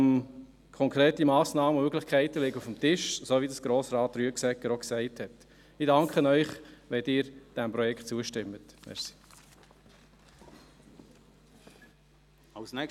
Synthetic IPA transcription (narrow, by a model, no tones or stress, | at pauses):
kʰɔŋkʰɾeːtimɑːsnɑːməmøɡlɪχkʰɛɪtəlɪɡəufəmtɪʃsoːʋidəsɡ̥ɾoːsɾɑːt̪ryəksɛkːəɾoksɛɪthɛt | ɪdɑŋkχənœʏχʋɛdɪːɾd̥ɛmpɾɔjɛkχt̚t͡suəʃtɪmːət̪mɛ̰ɾsi̥ | ɑlsnɛk